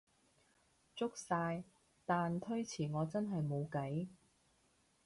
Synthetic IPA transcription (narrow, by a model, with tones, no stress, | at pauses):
t͡sʊ˥k̚saː˧j | t̪aː˨nt̪ʰɵ˥ɥt͡sʰiː˨˩ŋɔː˨˧t͡sɐ˥nɦɐ˨jmo˨˧wkɐ˨˥j